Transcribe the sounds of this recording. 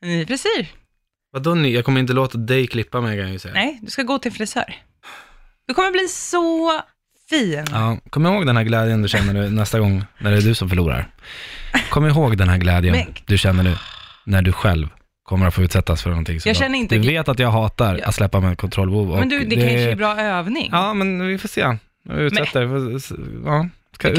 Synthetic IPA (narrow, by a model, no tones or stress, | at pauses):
nɛpʰɾɛsiː | vad̪ʊnɪjɑːɡkʰɔməɾɪnt̪̬əloːt̪ad̪ɛjkʰlɪpːamɛjkʰãnjajsɛjːanɛjd̪ɵskaɡoːt̪ʰɪlfɾɪsœ̰ːɾ | d̪̥ɵkʰɔmːəbliːsɔ | fiːnɑːkʰɔmːəɾɪhoːɡd̪ɛnhæːɾɡlɛːd̪jənd̪ɵɕɛnːəɳʉ̟ːnɛst̪aɡɔŋːnæɖɛɖɵsɔmfœɭuːɾa̰ɾ | kʰɔmːəɪɦoːɡd̪ɛnɦæːɾɡlɛːd̪jənd̪ɵɕɛnːəɳʉ̟ːnæɖɵɧɛ̰lv | kʰɔmːəɾat̪foːʉ̟ːt̪sɛt̪ːasfœɳɔnt̪ʰɪŋːsɔjɑːɛnːɾɪnt̪d̪ɵveːt̪at̪jɑːɡɦɑːt̪aɾat̪slɛpːamɛt̪kʰɔnt̪ʰɾɔlːbɛhuːvɔmɛnd̪ɵd̪ɛd̪ɛaʂbɾɑːøːvnɪ̰ŋɑːmɛnvɪfoːʂeː | ɪʉt̪sɛt̪ːəɾf | ɑː | ska